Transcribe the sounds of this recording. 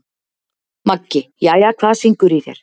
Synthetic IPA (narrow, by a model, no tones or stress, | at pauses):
macːɪjaːjakʰvaːsiŋkʏɾiθjɛ̰ɾ̥